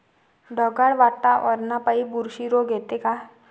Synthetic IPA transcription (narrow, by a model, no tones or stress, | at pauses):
ɖɔɡaɽʋaːʈ̪aʔɔːɾnapaibuɾʃiɾoːɡeːt̪eka